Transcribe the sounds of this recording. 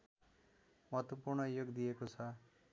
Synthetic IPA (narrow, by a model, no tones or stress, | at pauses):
mʌɦt̪wʌpurɳʌjoɡd̪ijekot͡sʰʌ